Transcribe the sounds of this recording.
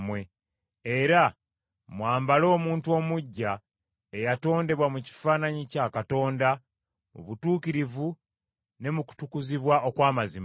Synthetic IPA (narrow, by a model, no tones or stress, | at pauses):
mwe̞ | e̞ɾa | mwaːmbalo̞ːmuːntuo̞ːmuɟːa | ejato̞ːnde̞βwamuci̥faːnaɲicakato̞ːnda | uβutuːkiɾivu | ne̞muku̥tukuziβwaʔo̞kwaːmazim